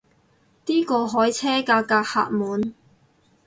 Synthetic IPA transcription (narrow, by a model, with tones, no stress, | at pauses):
t̪iː˥kɔː˧ɦɔː˨˥jt͡sʰɛː˥kaː˧kːaː˧k̚ha̰ː˧t̚muː˨˧n